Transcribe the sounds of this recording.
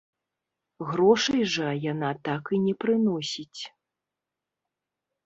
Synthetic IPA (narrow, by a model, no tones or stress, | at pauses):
ɣɾɔʂɐjʐɐjanat̪akɨnʲɛpɾɨnɔsʲit͡sʲ